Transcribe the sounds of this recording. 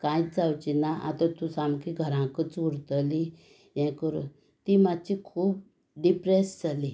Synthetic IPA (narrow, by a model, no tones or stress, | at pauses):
kãjt͡sd͡zawt͡ɕinaʔa̰t̪at̪usamkiɡʱəɾãkət͡suɽt̪əli | jɛ̃kəɾṵ | t̪imad̪t͡ɕikʰuːp̚ | ɖipɾesd͡zali